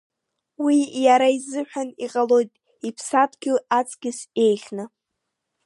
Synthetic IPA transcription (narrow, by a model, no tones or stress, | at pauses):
wijaɾaizɨħᶣaniqʼalo̞jtʼ | ipʰsatʰʼɡʲoat͡sʼɡ̥ʲɪse̞jχʲnɨ